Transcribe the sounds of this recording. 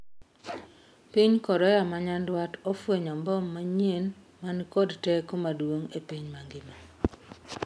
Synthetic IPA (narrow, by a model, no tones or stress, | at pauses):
piɲkɔɾɔjamaɲandwatɔfweɲambɔmːaɲen | mankodtɛkomadwoŋepiɲmaŋɡɪma